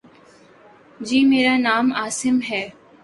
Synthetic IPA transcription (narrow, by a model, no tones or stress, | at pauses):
d͡ʒiːmeːɾanaːmaːsɪmɦɛː